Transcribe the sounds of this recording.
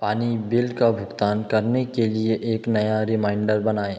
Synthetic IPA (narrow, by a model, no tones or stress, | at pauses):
paːnibɪlkabʱʊɡt̪aːnkɐɾnekelieʔeːknɐjaɾɪmãːɪ̃ɳɖəɾbɐnaːeː